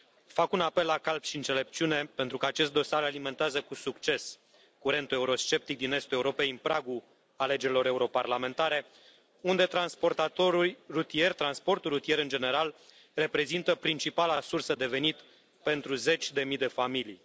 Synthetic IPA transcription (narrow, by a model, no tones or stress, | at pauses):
fakunape̞lːakalpʃiɨnt̪se̞le̞p̚t͡ʃiune̞pe̞nt̪ɾukəat͡ʃe̞st̪̚d̪o̞saɾalime̞nt̪eazəkusukt͡ʃe̞s | kuɾe̞nt̪ueuɾo̞st͡ʃe̞p̚t̪ik̚d̪ine̞st̪ueuɾo̞pejɨnpɾaɡu | ale̞d͡ʒeɾilo̞ɾe̞uɾo̞parlame̞nt̪aɾe̞ | und̪e̞t̪ɾanspo̞rt̪at̪o̞ɾulʲrut̪ie̞rʲt̪ɾanspo̞rt̪ulːut̪ije̞ɾɨnd͡ʒe̞ne̞ɾal | re̞pɾe̞zint̪əpɾint͡ʃipalasursəd̪e̞ve̞nit̪ | pe̞nt̪ɾuze̞t͡ʃʲd̪e̞mid̪e̞familij